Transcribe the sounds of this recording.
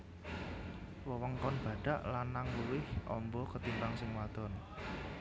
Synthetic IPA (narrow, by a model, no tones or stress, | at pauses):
wəwəŋkɔnb̥ä̤ɖ̥a̤ʔlanːaŋluwɪhʔɔ̰mbɔkət̪impaŋsɪŋwad̪̥ɔn